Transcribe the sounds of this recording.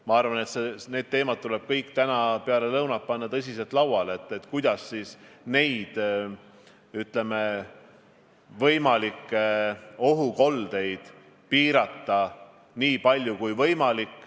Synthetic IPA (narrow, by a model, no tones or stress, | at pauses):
mɑɑrvɑne̞t̪sene̞ːd̪̥̚t̪e̞ːmɑt̪̚t̪ule̞b̥̚kɤjkːˑt̪ænɑpe̞ɑle̞lɤwnɑt̪̚pɑnːɑt̪ɤs̬ʲise̞lt̪lɑwwɑle̞t̪ːˑet̪ːˑkujd̪̥ɑsːiːsne̞jd̪̥ | yt̪ˑle̞me | vɤjmɑlikːeo̞ɦuko̞ld̪e̞jd̪̥ | piːɾɑt̪ːɑ | niːpɑlʲjukujvɤjmɑlikːˑ